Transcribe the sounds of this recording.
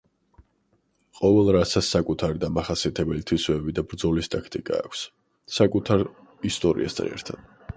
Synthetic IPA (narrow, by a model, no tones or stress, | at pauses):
qʼɔvɛlˠɾasasːakʼut̪ʰaɾid̪amaχasiat̪ʰɛbɛlit̪ʰwisvɛbid̪abɾd̪zɔlist̪ʼakʰt̪ʼikʼa̰ːkʷʰs | sakʼut̪ʰaɾ | ist̪ʼɔɾḭa̰sd̪ʼa̰nɛ̰ɾt̪ʰad̪̥